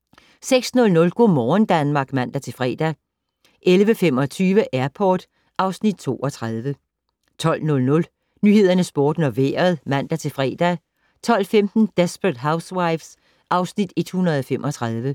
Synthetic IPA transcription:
seɡ̥snɔ̽lnɔ̽lɡ̥o̝ːmɒːnd̥ænmɑ̈ːɡ̥mæn̰d̥æt͡sʰe̝fʁɛ̰ːd̥æ | ʔelʋəfem̰ɒ̽t͡sʰyːʋəʔæɐpʰɒːd̥ | ʔɑ̈ʊsnid̥̚t͡sʰo̝̰ːʔɒ̽t͡sʰʁaðˠʋə | t͡sʰɒ̽l̰nɔ̽lnɔ̽l | nyːhe̝ð̞̰ˠɐnəsb̥o̝ːd̥n̩ɒ̽ʋḛːɐð̞ˠmæn̰d̥æt͡sʰe̝fʁɛ̰d̥æ | t͡sʰɒ̽l̰femd̥n̩d̥esb̥ʁəd̥ɦäʊswaɪfs | ʔɑ̈ʊsnid̥e̝d̥hunɐð̞̩ˠɒ̽femʔɒ̽t͡sʰʁað̞ˠʋə

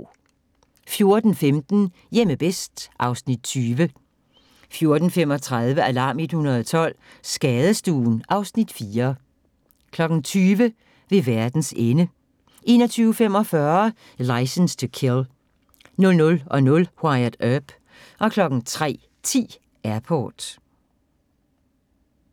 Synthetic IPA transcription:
fjo̝ɐd̥n̩femd̥n̩ | jeməb̥esd̥ʔɑ̈ʊsnid̥̚t͡sʰyːʋə | fjo̝ɐd̥n̩fem̰ɒ̽t͡sʰʁɑðˠʋəælɑ̈ːme̝d̥hunɐð̞ˠɒt͡sʰɒ̽l̰ | sɡ̥ɛːð̞ˠəsd̥ṵːn̩ʔɑ̈ʊsnid̥fiːɐ | kʰlɒ̽ɡ̥n̩t͡sʰyːʋə | ʋe̝ʋæɐd̥n̩senə | ʔe̝̰ːnɒ̽t͡sʰyːʊfem̰ɒ̽fɶɐ | lɑ̈ɪsənst͡sʰekʰel | nɔ̽lnɔ̽lɒ̽nɔ̽lhwɑɪɐd̥œb̥ | ʔɒ̽kʰlɒ̽ɡ̥n̩t͡sʰʁɛ̰ː | t͡sʰḭː | ʔæɐpʰɒ̰ːd̥

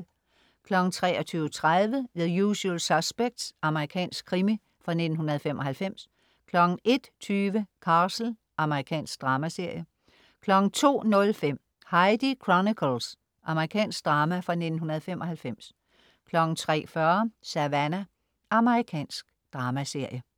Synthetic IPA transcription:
kʰlɒ̽ɡ̥n̩t͡sʰʁɛ̰ːɒt͡sʰyːʊət͡sʰʁaðˠʋəʋe̝ðˠjuɕulsɑ̥sb̥eɡ̥̚d̥sɑ̈məʁikʰɛ̰ːnsɡ̥̚kʰːʁimi | fʁɑ̈ne̝d̥n̩ɦunɐð̞̩ˠfemʔɒ̽hælfem̰s | kʰlɒ̽ɡ̥n̩e̝d̥t͡sʰyːʋəkʰɑ̈ːsl̩ | ʔɑ̈məʁikʰɛ̰ːnsɡ̥̚d̥ʁɑ̈ːmæse̝ɐ̰jə | kʰlɒ̽ɡ̥n̩t͡sʰo̝̰ːnɔ̽lfem̰ | hɑ̈ɪdikʰʁɔnikʰəls | ʔɑ̈məʁikʰɛ̰ːnsɡ̥̚d̥ʁɑ̈ːmæfʁɑ̈ne̝̥n̩ɦunɐð̞̩ˠfemʔɒ̽hælfem̰s | kʰlɒ̽ɡ̥n̩t͡sʰʁɛ̰ːfɶɐsæʋænæ | ʔɑ̈məʁikʰɛ̰ːnsɡ̥d̥ʁɑ̈ːmæse̝ɐ̰jə

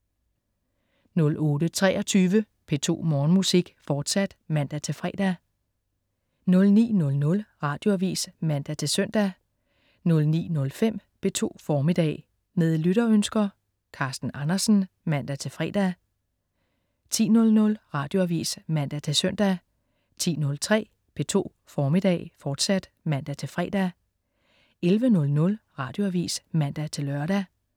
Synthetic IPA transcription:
nɔ̽lɔ̽ːɾ̥ət͡sʰʁɛːʔɒ̽t͡sʰyːʋə | pʰe̝t͡sʰo̝̰ːmɒːnmusiɡ̥fɒːd̥sæd̥mæn̰d̥æt͡sʰe̝lfʁɛ̰ːd̥æ | nɔ̽lnḭːnɔ̽lnɔ̽lʁɑ̈ːd̥jo̝æʋḭːsmæn̰d̥æt͡sʰe̝lsøn̰d̥æ | nɔ̽lnḭːnɔ̽lfem̰pʰe̝t͡sʰo̝̰ːfɒːmid̥ɛ̰ː | ne̝ðˠlyɾ̥ɐønsɡ̥ɐ | kʰɑ̈sd̥n̩ɑnɐsn̩ | mæn̰d̥æt͡sʰe̝lfʁɛ̰ːd̥ | t͡sʰḭːnɔ̽lnɔ̽lʁɑ̈ːd̥jo̝æʋḭːsmæn̰d̥æt͡sʰe̝lsœn̰d̥æ | t͡sʰḭːnɔ̽lt͡sʰʁɛ̰ː | b̥ʰe̝t͡sʰo̝̰ː | fɒːmid̥ɛ̰ːɪfɒːd̥sæd̥ | mæn̰d̥æt͡sʰe̝lfʁɛ̰ːd̥æ | elʋənɔ̽lnɔ̽lʁɑ̈ːd̥jo̝æʋḭːsmæn̰d̥æt͡sʰe̝lɶɐɾ̥æ

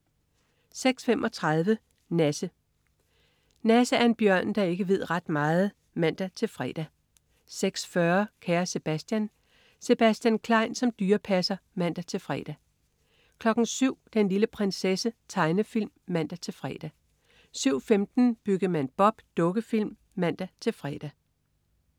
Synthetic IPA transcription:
seɡ̥sfemʔɒ̽t͡sʰʁɑðˠʋə | næsə | næsəæɐenb̥jɶɐ̰nd̥ɑ̈e̝ɡ̥əʋe̝ð̞̰ˠʁɑ̈d̥mɑ̈ːð̞̩ˠ | mæn̰d̥æt͡sʰe̝lfʁɛ̰ːd̥æ | seɡ̥sfɶɐkʰæːɐse̝b̥æsd̥jæn | se̝b̥æsd̥jænkʰlɑ̈ɪ̰nsɒ̽md̥yːɐpʰæsɐmæn̰d̥æt͡sʰe̝lfʁɛ̰ːd̥æ | kʰlɒ̽ɡ̥n̩syʊ̰d̥enliləpʰʁɛnsesət͡sʰɑ̈ɪnəfil̰mːæn̰d̥æt͡sʰe̝lfʁɛ̰ːd̥æ | syʊ̰femd̥n̩b̥yɡ̥̩mænb̥ɒ̽b̥d̥ɔ̽ɡ̥əfil̰mːæn̰d̥æt͡sʰe̝lfʁɛːd̥æ

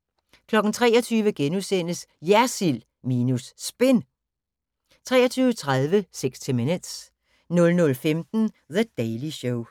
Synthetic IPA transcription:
kʰlɒ̽ɡ̥n̩t͡sʰʁɛ̰ːɐɒt͡sʰyːʋəɡ̥enusen̰əsjæɐsil | miːnusːb̥e̝n | t͡sʰʁɛ̰ːɐt͡sʰyːʊət͡sʰʁaðˠʋəseɡ̥st͡sʰemined̥s | nɔ̽lnɔ̽lfemd̥n̩ðəd̥eɪliɕoʊ

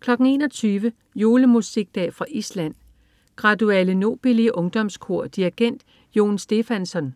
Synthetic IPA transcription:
kʰlɒ̽ɡ̥ŋ̩e̝ːnɒt͡sʰyːʋə | jo̝ːləmusiɡ̥̚d̥ɛ̰ːfʁɑ̈ʔislæn̰ | ɡ̥ʁɑ̈dueləno̝̰ːb̥iliəʔɔ̽ŋd̥ɒ̽mskʰo̝ɐ̰d̥iiɡ̥en̰d̥ | jo̝̰ːnsd̥e̝fænsɒ̽n

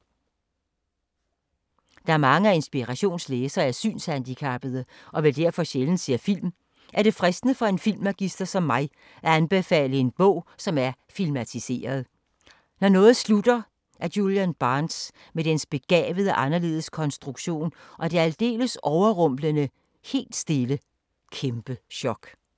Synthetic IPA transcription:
d̥ɑ̈æɐmɑ̈ŋəæe̝nsb̥iʁæɕo̝̰ːnsleːsɐæɐsy̰ːnshænd̥ikʰæb̥ð̩ˠə | ʔɒ̽ʋe̝ld̥æɐ̰fɒ̽ɕeln̩se̝ɐfil̰m | ʔæɐd̥e̝fʁɛsd̥nəfɒ̽e̝nfilmʁɛɡ̥isd̥ɐsɒ̽mːɑ̈ɪ | ʔæænb̥e̝fɛ̰ːləe̝nb̥ɔ̽ʊ̰sɒ̽mæɐfilmæt͡sʰise̝̰ːɐð̞ˠ | nɒnɔ̽ːð̩ˠslud̥ɐ | ʔæɐjuljænb̥ɑ̈ːns | med̥ensb̥e̝ɡ̥ɛ̰ːʋəð̞ˠəʔɑ̈nɐle̝̰ːð̞̩ˠəskʰɒ̽nsd̥ʁuɡ̥ɕo̝̰ːnʔɒ̽d̥e̝æld̥e̝̰ːləsʔɒʊɐʁɔm̰lənə | he̝̰ːld̥sd̥e̝lə | kʰemb̥əɕɒ̽ɡ̥

